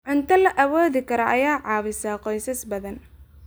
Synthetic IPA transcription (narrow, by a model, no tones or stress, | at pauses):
ʕʊnt̪ʰɐlɐʔɐwɔːðɪkʰɐɾɐʔɐjaːʕɑːβɪsaːqɔjsɐsbɐðɐn